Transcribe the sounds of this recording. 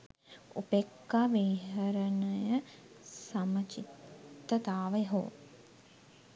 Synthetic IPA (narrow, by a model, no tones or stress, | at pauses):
upekːaʋiɦəɾənəjə | samət͡ʃit̪ːət̪aːʋeɦo̰ː